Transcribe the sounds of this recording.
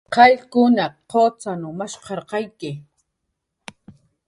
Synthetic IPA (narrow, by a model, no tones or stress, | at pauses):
qɑʎkʊnaqot͡sanʊmaʃqɑɾqɑjkɪ